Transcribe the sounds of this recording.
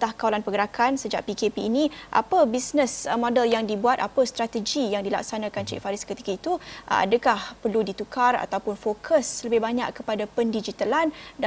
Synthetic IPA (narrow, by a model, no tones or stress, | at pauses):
t̪ahkawalanpəɡəɾakʰansəd͡ʒa̰ʔpikepiːnĩʔa̰pəbisnəsmɔ̃dəljaŋdibuat̪apəst̪ɾat̪əd͡ʒijaŋdila̰k̚sanãkant͡ʃḭʔfaɾɪskət̪i̥kəit̪ua̰dəkahpərludit̪ukʰara̰t̪awpʊnfokʰəsləbɪhbaɲa̰kːəpadapəndid͡ʒit̪alanda